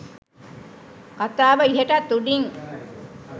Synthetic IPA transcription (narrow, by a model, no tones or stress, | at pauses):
kat̪aːʋəiɦeʈat̪ːuɖiŋ